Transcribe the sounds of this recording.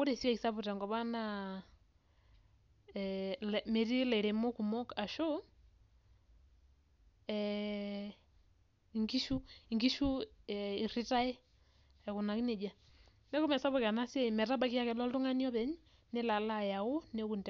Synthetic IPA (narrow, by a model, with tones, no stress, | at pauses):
ku˦ɾe˨si˦wa˨ki˨sa˦βu˨ta˨ŋɡɔ˨βa˦na˦ | lme˨ɾi˦lɛ˨i˨ɾe˨mo˦ku˨mo˦ka˨ʃo˦ | ɛ | ŋɡi˦ʃu˦i˨ŋɡi˦ʃu˦i˨ri˦ta˦ɛ˦ | ɛku˨na˨ki˦ne˨d͡ʒa˨ | ne˦ko˦mɛ˨sa˦βɔ˨ka˨na˦se˦mɛ˨ta˦ba˨ki˦ja˦kɛ˨lɔ˦ltu˦ŋa˦ni˦ɔ˦βɛ˨ɲ | ne˦la˨la˦ja˨o˦ne˦ku˨ntɛ